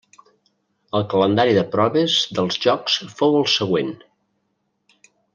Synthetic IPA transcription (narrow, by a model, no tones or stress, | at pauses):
əlˠkələnd̪aɾiðəpɾɔβəzðəlˠzʒɔksfowəlˠsəɣ̞wen